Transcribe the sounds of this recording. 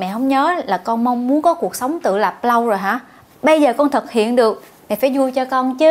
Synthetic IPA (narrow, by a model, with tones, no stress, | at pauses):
mɛ̰˧˨hə˧wŋ͡mɲəː˨˦laː˨˩kɔ˧nmə˧wŋ͡mːu˨˦ənkɔ˨˦ku˨˩ək̚sə˨˦wŋ͡mt̪ɨ̰˧˨la˨˩p̚lə˧wzo˨˩jɦaː˨˧˥ | ɓə˧jzəː˨˩kɔ˧nt̪ʰə˨˩t̚hḭ˧˨ənɗɨ˨˩ək̚ | mɛ̰˧˨faː˧˦jzu˧jt͡ɕɔ˧kɔ˧nt͡ɕɨ˨˦